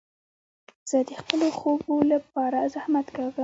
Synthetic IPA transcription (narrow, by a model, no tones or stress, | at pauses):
z̥əd̪əxpəloxobolap̚ɑɾazahmat̪kaɡə